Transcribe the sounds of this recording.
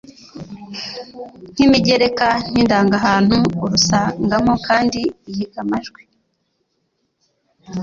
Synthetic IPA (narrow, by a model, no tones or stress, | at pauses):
n̥imiɟe̞ɾe̞kan̥hindaːŋɡaɦaːn̥huːɾusaŋɡamokaːndiːjiɡamaʒɡwe